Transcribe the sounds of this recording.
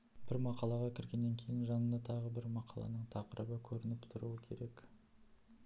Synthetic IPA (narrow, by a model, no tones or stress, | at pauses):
b̥ɪɾmɑqɑlˠɑʁɑkʲʰɪɾɡʲe̞nːe̞ŋkʲʰe̞jɪnʒɑnənd̪ɑt̪ʰɑʁəbɪɾmɑqʰɑ̰lˠɑ̰nəɴt̪ʰɑqəɾʔəbəkʲʰɵɾɪnɪpt̪ʰʊɾuwəkʲʰe̞̰ɾe̞k